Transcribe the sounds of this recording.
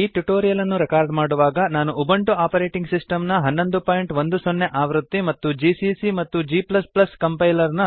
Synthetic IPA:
iːʈuʈoːɾijɐlɐnːuɾɛkaːɾɖmaːɽuʋaːɡɐnaːnuʔubɐɳʈuaːpɐɾeːʈiŋɡsisʈɐmnɐɦɐnːo̞nd̪upaːjɳʈʋond̪usonːeʔaːʋɾut̪ːimɐt̪ːud͡ʒiːsisimɐt̪ːud͡ʒiːplɐsplɐskɐmpɐjlɐɾnɐ

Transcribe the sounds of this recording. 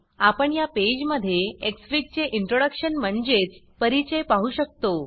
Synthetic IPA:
apəɳjaped͡ʑməd̪ʱːjeeksfɾik̚t͡ɕeʔiɳʈɾoɽəkɕənm̤əɳd͡zet͡s | pəɾit͡ɕəjpaɦuːɕək̚t̪o

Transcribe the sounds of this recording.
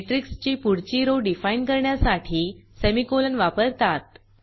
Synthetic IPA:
eʈɾikst͡ɕiːpuɽt͡ɕiɾoɖifainkəɾɳjasaʈʰiːsemikolənʋapəɾt̪at̪̚

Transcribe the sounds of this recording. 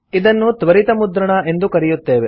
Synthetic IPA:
id̪ɐnːut̪ʋɐɾit̪ɐmud̪ɾɐɳɐʔe̞nd̪ukɐɾijut̪ːe̞ːʋe

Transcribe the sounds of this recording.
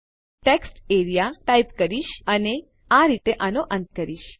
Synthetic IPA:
ʈeksʈeɾijaʈaipkəɾiʃəne | aɾit̪eʔanoʔənt̪kəɾiːʃ

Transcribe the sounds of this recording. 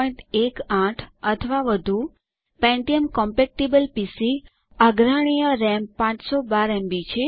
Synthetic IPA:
jɳʈ̪ekãʈʰət̪ʰəʋaʋəd̪ʱu | pɛ̃ɳʈiəmkɔmpek̚ʈibəlpisi | aɡɾaɽ̃ijəɾɛmpãt͡ʃsobaɾɛ̃mbit͡ʃʰe

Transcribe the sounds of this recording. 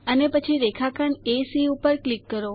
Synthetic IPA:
ənepət͡ʃʰiɾekʰakəɳesiupəɾklikːəɾo

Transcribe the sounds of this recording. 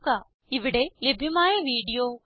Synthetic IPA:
kaː | iʋiɽelebʱjɐmaːjɐʋiːɽijoː

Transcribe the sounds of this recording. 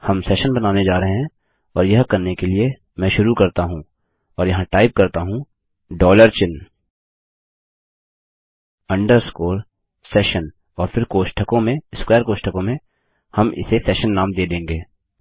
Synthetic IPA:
hɐmsɛːʃənbɐnaːned͡ʒaːɾɐɦeɦɛ̃ | ɔːɾjɐɦkɐɾnekelie | mɛ̃ʃʊɾukɐɾt̪aɦũː | ɔːɾjɐɦãʈaːɪp̚kɐɾt̪aɦũ | ɖɔːləɾt͡ʃɪn | ɐ̃ɳɖəɾskoːɾ | sɛːʃən | ɔːɾfɪɾkoːʃʈʰəkõmẽɪskwɛːəɾkoːʃʈʰəkõmẽ | hɐmɪ̰sesɛːʃənːaːmd̪eːd̪ẽːŋɡeː

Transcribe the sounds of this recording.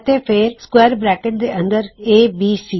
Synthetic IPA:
ət̪eːpʰɪɾskwɛːɾbɾɛːkeʈ̚d̪eːʔə̃nd̪əɾeːbiːsiː

